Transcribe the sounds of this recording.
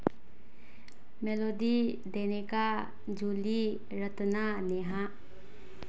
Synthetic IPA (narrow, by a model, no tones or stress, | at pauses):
melod̪i | d̪eneka | d͡ʒuli | ɾət̪naneɦa